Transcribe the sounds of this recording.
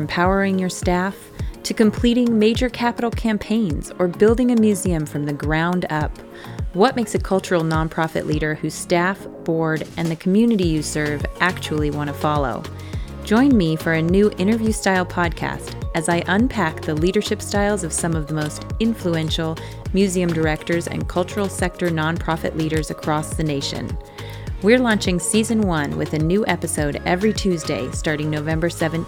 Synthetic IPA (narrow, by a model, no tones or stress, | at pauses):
mpʰaʊə˞ɪ̃ŋjə˞stæf | tʰɨkɨ̃m̩pʰl̥iɾɪ̃ŋmeɪd͡ʒə˞kʰæpəɾl̩ˠkʰæ̃mpʰẽɪ̃nz̥ə˞bɪlˠdɪ̃ŋɨmjʉziɨ̃ɱfɹʌ̃mðɨɡɹãʊ̃ndʌp | wʌt̚meɪksɨkʰʌlˠt͡ʃə˞l̩ˠnɑ̃npʰɹ̥ɑfɨ̰ʔˡliɾə˞hʉz̥stæfb̥ɔɹɾɨ̃nðɨkʰmjʉnɨɾijɨsɜ˞vʔæk̚t͡ʃul̩ˠiwɑ̃ɾ̃əfɑlˠo̰ʊ̥ | d͡ʒɔ̃ɪ̃nmifə˞ɨnʉʔɪ̃ɾ̃ə˞vjʉstaɪlˠpʰɑd̚kʰæ̰stɨzaɪʔə̃npʰæk̚ðɨliɾə˞ʃɪpstaɪlˠzʌv̥sʌ̃mʌvðəmoʊstɪ̃ɱfluɛ̃nʃl̩ˠ | mjʉziɨ̃mdə˞ɛk̚tə˞zɨ̰̃nkʰʌlˠt͡ʃə˞l̩ˠsɛk̚tə˞nɑ̃npʰɹ̥ɑfɨ̰ʔˡliɾə˞zɨkʰɹ̥ɔsðɨneɪʃɨ̰̃n | wiɹlɑ̃nt͡ʃɪ̃ŋsizɨ̃nwʌ̃nwɪ̰ðɨnʉʔɛpɨsoʊɾɛvɹitʰʉzdeɪstɑɹɾɪ̃ŋnoʊvɛ̃mbə˞sɛvɨ̃n